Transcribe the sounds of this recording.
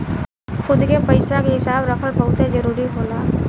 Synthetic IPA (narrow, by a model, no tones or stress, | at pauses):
xʊd̪kepɐɪsãkeɦɪsaːbɾɐkʰəlpəɦʊt̪ẽd͡ʒəɾuːɾiɦoːlaː